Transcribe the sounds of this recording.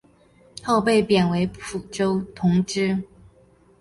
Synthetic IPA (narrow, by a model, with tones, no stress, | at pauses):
ho˥˧ʊpe˥˩ɪpjɛ˨˩nwe˧˥ɪpʰu˨˩ʈ͡ʂo˥ʊt̪ʰʊ˧˥ŋʈ͡ʂɻ̩˥